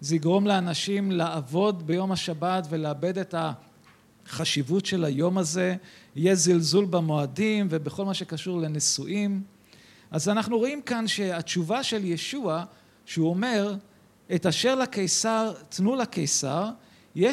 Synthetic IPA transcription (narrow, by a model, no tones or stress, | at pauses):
zeiɡʁo̞mleanaʃimlaːvo̞d̪be̞jo̞maʃabatve̞leabe̞de̞ta | χaʃivutʃe̞lajo̞maze̞hije̞zilzulbamo̞adimve̞beχo̞lmaʃe̞kaʃuʁlenesuʔim | ʔazanaχnuʁo̞imkanʃe̞at͡ʃuvaʃe̞ljeʃua | ʃeuo̞me̞ʁ | etaʃe̞ʁlakejsaʁt̪nulakejsaʁ | je